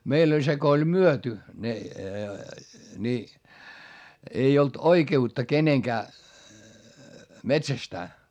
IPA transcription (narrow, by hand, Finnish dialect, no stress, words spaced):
meilː olʲ se ko olʲ myøty ne ni ei olt oikeutːɑ keneŋkæː metsæstæː